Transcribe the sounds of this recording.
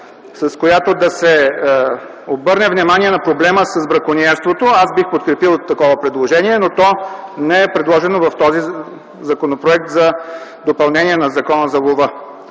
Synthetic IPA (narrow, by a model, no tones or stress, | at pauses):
sɐskojat̪od̪ɐsɛ | obɤɾnɛvnimaniɛnɐpɾoblɛməsɐzbɾɐkoniɛɾst̪vot̪oasbixpot̪̚kɾɛpilˠt̪ːɐkɔvəpɾɛd̪lˠoʒɛnʲiɛnot̪ɔnɛɛpɾɛd̪lˠɔʒɛnovɐft̪ɔzi | zɐkonopɾoɛk̚t̪zɐd̪opɐlˠnɛnʲiɛnɐzɐkɔnəzɐlˠovə